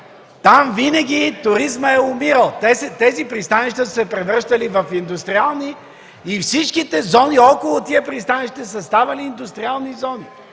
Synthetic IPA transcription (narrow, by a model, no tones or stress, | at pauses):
t̪amvinəɡʲit̪ʊɾizməɛʊmiɾəlˠt̪ɛsɛt̪ɛzipɾist̪aniʃt̪əsɛpɾɛvɾəʃt̪ɐlivɐfind̪ʊst̪ɾialˠniː | fsit͡ʃkit̪ɛzɔniɔkʊlˠʊt̪iəpɾist̪anɛʃi̥t̪ɛsɐst̪avɐliːnd̪ʊst̪ɾialˠnizɔni